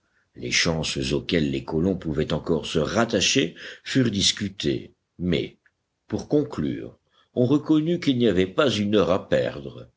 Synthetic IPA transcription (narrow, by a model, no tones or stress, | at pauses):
lḛʃɑ̃szokʲɛlːekɔlɔ̃puvɛt̪ɑ̃kɔʁsəʁat̪aʃefyʁd̪iskʲyt̪ḛ | mɛ̰ | puʁkɔ̃kly̰ːʁ | ɔ̃ʁəkɔnykilniavɛpazynœʁapɛ̰ʁd̪ʁə